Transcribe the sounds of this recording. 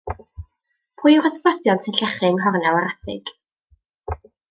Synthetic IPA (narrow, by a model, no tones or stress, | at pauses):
pʰʊːjraspɔdjɔnsɪnɬɛχɪŋɦɔrnɛlˠaɾatʰɪ̰ɡ̥